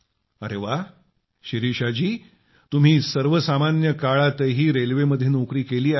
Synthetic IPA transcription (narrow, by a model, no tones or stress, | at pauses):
əɾeʋa | ɕiɾiɕad͡ʑiː | t̪um̤iːsəɾʋəsamanjəkaɭat̪eɦiːɾelʋeməd̪ʱːjenokɾiːkeliːa